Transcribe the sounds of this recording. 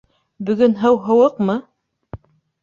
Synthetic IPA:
bɵ̆ɡɵnɦɤwɦɤ̆wɤqmɤ

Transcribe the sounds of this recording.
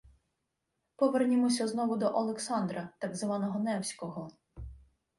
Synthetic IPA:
pɔʋernʲɪmɔsʲɐznɔʋʊd̪ɔʔɔlˠeksɑnd̪ɾɐt̪ɑɡzʋɑnɔɦɔnɛwsʲkɔɦɔ

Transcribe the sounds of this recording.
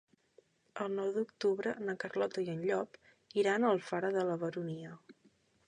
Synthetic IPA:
əlˠnɔwðuk̚t̪uβɾənəkərlɔt̪əiənʎɔp | iɾanəlˠfaɾəðələβəɾuniə

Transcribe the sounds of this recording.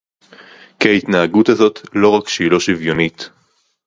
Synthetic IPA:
keit̪naaɡutazo̞t̪lo̞ʁakʃiːloʃivjo̞nit̪

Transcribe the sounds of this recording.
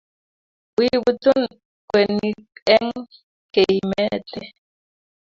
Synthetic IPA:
wiwit͡sun | kʷenikeŋ | keimet͡ɬe

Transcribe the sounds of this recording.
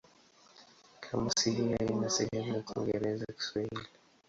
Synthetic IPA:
kʰamasiɦiainasɛhɛmujakuɔ̰ŋɡɛɾɛzaki̥swahili

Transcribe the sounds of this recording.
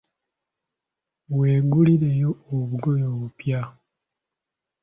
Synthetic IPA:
we̞ːɡuliɾe̞jo̞ːβuɡojoβupja

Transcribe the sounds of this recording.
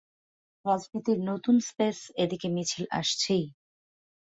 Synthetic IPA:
ɾad͡ʑnit̪iɾnot̪unspesed̪ikemit͡ɕʰilʔa̰ʃt͡ɕʰej

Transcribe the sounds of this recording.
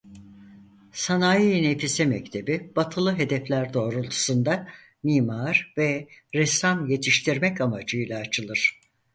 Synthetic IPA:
sanaːjijnefisɛmɛc̚t̪ʰe̞bibat̪ʰɯlˠɯɦe̞d̪ɛflʲæɾd̪o̞ːɾulˠt̪ʰu̥sɯnd̪a | miːmaɾvɛɾɛsamje̞t̪ʰiʃt̪ʰiɾmɛcamad͡ʒɯjlˠaːt͡ʃʰɯlˠɯɾ̥

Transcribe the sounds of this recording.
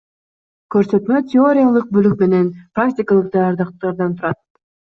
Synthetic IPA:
kɵ̞ɾsø̞t̪mø̞t̪ʲɪo̞ɾʲɪjalˠɯq̚bølyk̚me̞ne̞npɾraktʲɪkalˠɯqd̪ɑjɑɾd̪ɑqt̪ɑɾd̪ɑnt̪ʰuɾɑt̪̚

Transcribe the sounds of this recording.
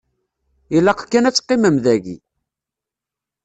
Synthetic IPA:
ilːɑqkːænæt͡sːqːiməmðæʝḭ

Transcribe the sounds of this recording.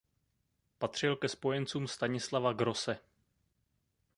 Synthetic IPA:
pat̪r̝̥ɪlkɛspo̞jɛnt͡suːmst̪aɲɪslavaɡɾo̞sɛ

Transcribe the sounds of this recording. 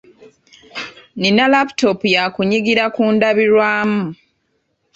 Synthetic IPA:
ninalapu̥to̞pujakuɲiɡiɾakuːndaβiɾwaːmu

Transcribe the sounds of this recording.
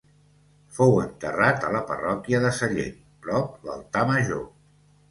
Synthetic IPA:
fowənt̪ərat̪ələpə̰rɔkiəðəsəʎḛ | pɾɔp̚lə̰lˠt̪aməʒo

